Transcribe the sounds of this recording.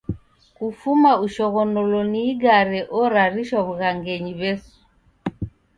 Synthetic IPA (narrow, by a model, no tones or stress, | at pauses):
kufumauʃɔɣɔnɔlɔniɡaɾɛʔɔɾaɾiʃwaβuɣaŋɡɛɲiβɛsu̥